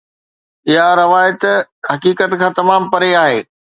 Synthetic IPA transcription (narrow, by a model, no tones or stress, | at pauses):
ɪɦaɾɐʋaːjət̪ɦɐkiːkət̪kʰãːt̪ɐmaːmpɐɾeaːɦeː